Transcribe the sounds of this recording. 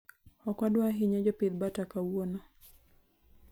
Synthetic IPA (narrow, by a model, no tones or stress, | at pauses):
ɔkwadwaɦiɲad͡ʒɔpid̪batakawonɔ